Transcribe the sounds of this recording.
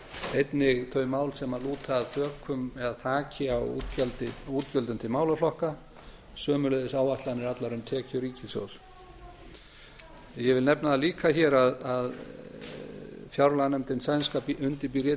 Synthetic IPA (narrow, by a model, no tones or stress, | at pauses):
ejt̪nɪɣθœɥmaːwlsɛmaluːt̪ʰaðθœːkʰʏmɛɣaθʰaːcɪa̰t̪cɛlt̪ɪuːt̪cœlt̪ʏmt̪ʰɪlmaːwlaflɔhka | sœːmʏlɛðɪsaːwaht̪lanɪɾat̪laɾʏmt̪ʰɛːcʏɾiːcɪsjo̰ws | jɛvɪlnɛpnaðaliːkʰaçɛːɾaðað | fjawɾlanɛmt̪ɪnsajnskaːpiʔʏnt̪ɪp̬iɾjɛ